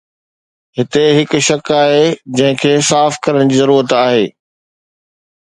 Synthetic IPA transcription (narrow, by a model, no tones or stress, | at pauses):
ɦɪt̪eɦɪkʊ̆ʃɐkaːɦed͡ʑɐ̃ɦɪ̃kʰeːsaːfkɐɾəɽ̃d͡ʑiːzɐɾuːɾət̪aːɦeː